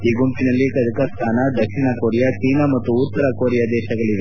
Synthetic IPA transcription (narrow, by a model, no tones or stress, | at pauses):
iːɡompinɐlːikɐd̪ʱikɐsk̪ʰaːnɐd̪ɐkʂiɳɐkoːɾijɐt͡ʃiːnɐmɐt̪ːuːt̪ːɐɾɐkoːɾijɐd̪ɛːʃɐɡɐɭiʋe